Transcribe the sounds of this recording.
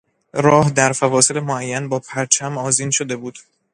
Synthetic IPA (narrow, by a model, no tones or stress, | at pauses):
ɾɒːhd̪æɾfævɒːse̞lemoæjːænbɒːpʰæɾt͡ʃʰæmɒːziːnʃod̪e̞buːd̪̥